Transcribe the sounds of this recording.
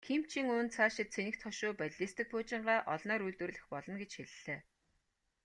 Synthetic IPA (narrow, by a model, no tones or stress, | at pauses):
kʰim̥t͡ɕʰiŋʊːnt͡sʰaːʃɪ̆t̪t͡sʰenʲɘ̆kt̪χʰɔʃʊːpæɮʲɮiːst̪ɘ̆k̚pʰʊːt͡ɕɪ̆ɴɢaːʔɔɮnœːɾujɮt̪wɘ̆rɮɘ̆xpɔɮɞ̆nɡet͡ɕxeɮːeː